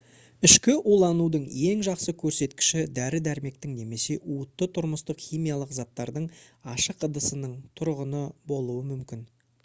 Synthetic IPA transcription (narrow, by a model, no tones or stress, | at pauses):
ʏʃkʲɪʔulˠɑnud̪əɴe̞ŋʒɑqsəkʲʰɵɾse̞t̪kʲɪ̥ʃɪd̪æɾɪd̪æɾme̞k̚t̪ɪŋne̞me̞se̞ʔuət̪ːət̪ʰʊɾməst̪əqχijmijɑlˠəqzɑt̪ːɑɾd̪əɴɑʃəqəd̪əsənəɴt̪ʰʊɾʁənəbo̞lˠuəmʏmkʲɪn